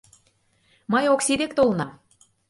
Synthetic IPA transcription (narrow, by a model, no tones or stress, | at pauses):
mɤjoksid̪ek̚t̪olnɑ